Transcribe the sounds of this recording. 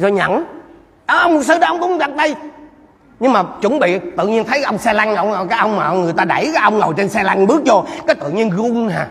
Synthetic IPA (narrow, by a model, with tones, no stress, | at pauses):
zo˧ɲə̰˧˩˨n | ɗəː˨˧˩ʔə˧wŋ͡mmʊ˨˩t̚sɨ˧ɗə˨˦ʔə˧wŋ͡mkʊ˨˦ŋ͡mza˨˩t̚ɗə˧j | ɲɨ˧ŋmaː˨˩t͡ɕu˧˩˦nɓḭ˧˨t̪ɨ̰˧˨ɲi˧ənt̪ʰə˨˦jkʔə˧wŋ͡msɛ˧la˧ŋ˧wkaː˨˦˥jʔə˧wŋ͡mmaː˨˩ŋɨ˨˩əjt̪aː˧ɗa˧˩jkaː˨˦jʔə˧wŋ͡mŋə˨˩wt͡ɕe˧nsɛ˧la˧ŋɓɨ˦˥ək̚t͡ɕo˧kaː˨˦jt̪ɨ̰˧˨ɲi˧ənɣu˧nhaː˨˩